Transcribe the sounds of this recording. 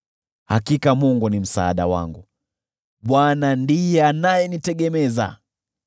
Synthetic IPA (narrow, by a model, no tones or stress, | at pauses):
hakikamuŋɡunim̩saːɗawa̰ŋɡu | ɓwanandijɛanajɛnitɛɡɛmɛza̰